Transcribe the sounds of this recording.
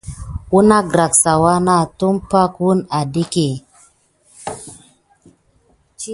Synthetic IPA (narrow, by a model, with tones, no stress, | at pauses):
wu˦na˦ɡɾa˨ksa˨wa˦na˦˨tu˦mpa˦kwu˦na˨di˦ke˨